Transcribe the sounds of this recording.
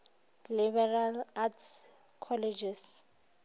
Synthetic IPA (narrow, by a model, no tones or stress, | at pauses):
libɛralats | kʰɔlɛd͡ʒɛs